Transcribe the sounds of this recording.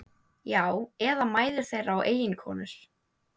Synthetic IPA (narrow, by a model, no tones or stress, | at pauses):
jaːwɛðamaːjðʏɾ̥θejɾawʔeːjɪnkʰɔ̰ːnʏɾ̥